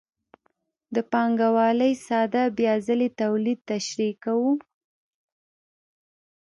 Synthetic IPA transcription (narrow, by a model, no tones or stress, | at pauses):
d̪əpɑŋɡawɑləjsɑd̪abjɑzəlet̪awlid̪̚t̪aʃɾikawu